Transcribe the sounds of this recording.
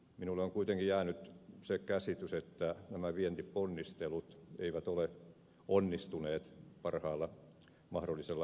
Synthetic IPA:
minulːeoŋkuit̪eŋkijæːnyt̪sekæsit̪yset̪ːænæmæʋient̪iponːist̪elut̪ḛiʋæt̪ole | onːist̪uneːt̪pɑrhɑːlːɑ | mɑhdolːˑiselːɑ

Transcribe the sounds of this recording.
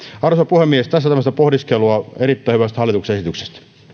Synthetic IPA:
ɑrsɑpuhemːiest̪æsːæt̪æmːst̪æpohdiskeluɑeɾit̪ːæˑihyʋæst̪hɑlːˑit̪uksesit̪ykse̥st̪

